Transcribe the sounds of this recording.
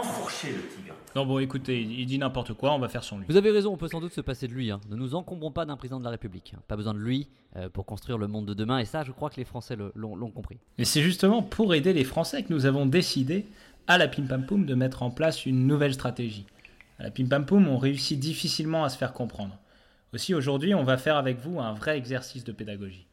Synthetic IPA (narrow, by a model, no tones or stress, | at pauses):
ɑ̃fɔʁʃelət̪iɡãnɔ̃bɔ̃ekut̪eiild̪inɛ̃pɔʁt̪əkwaɔ̃vafɛʁsɔ̃livuzaveʁezɔ̃ɔ̃pøsɑ̃d̪ut̪səpased̪əlɥiɛ̃nənuzɑ̃kɔ̃bʁɔ̃pad̪ɛ̃pχezid̪̃d̪əlaʁepyblikɛ̰̃pabəzwɛ̃d̪əlɥi | øpuʁkɔ̃st̪χɥiʁləmɔ̃d̪ːəd̪əmɛ̃esaʒəkχwakəlefχɑ̃sɛləlɔ̃lɔ̃kɔ̃pχimɛsɛʒyst̪əmɑ̃pʰuʁed̪elefχɑ̃sɛkənuzavɔ̃d̪esid̪e | alapimpampumd̪əmɛt̪χɑ̃plasynːuvɛlst̪χat̪eʒi | a̰lʔa̰pimpampumɔ̃ʁeysid̪ifisilmɑ̃asə̥fɛʁkɔ̃pχɑ̃d̪ʁ | osioʒuʁd̪ɥiɔ̃vafɛʁavɛkvuɛ̃vʁɛɛɡzɛʁsisd̪əped̪aɡɔʒi